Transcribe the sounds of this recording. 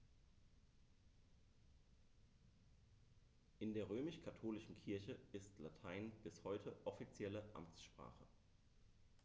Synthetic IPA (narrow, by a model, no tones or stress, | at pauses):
ʔɪndeːɐʁ̞øːmɪʃkʰatʰoːlɪʃn̩kʰɪɐçəʔɪstlatʰaɪnb̥ɪshɔʏtʰəʔɔfit͡sjɛləʔa̰mt͡sʃpʁ̥a̰ːχə